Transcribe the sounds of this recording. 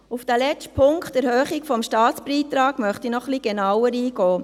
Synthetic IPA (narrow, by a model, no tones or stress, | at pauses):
ufd̥ælɛt͡ʃtpʰʊŋkt̪ɛɾhœːχiɡfɔmʃtɑːt̪sbɾiːt̪ɾɑːɡ̥mœχt̪inɔχliɡ̥enawəɾiːɡ̥ɔː